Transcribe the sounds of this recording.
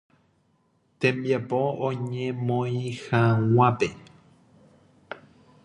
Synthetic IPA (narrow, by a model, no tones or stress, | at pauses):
t̪ẽmbjapoõɲẽmõĩhaw̃ãpe̞